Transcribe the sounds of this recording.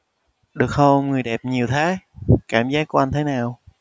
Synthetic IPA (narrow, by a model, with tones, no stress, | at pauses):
ɗɨ˨˩ək̚hə˧ŋɨ˨˩əjɗɛ˨˩p̚ɲi˨˩əwt̪ʰaː˨˦jkaː˧˩mzaː˦˥k̚ːu˧˩˦ʔa˧nt̪ʰe˨˦naː˨˩w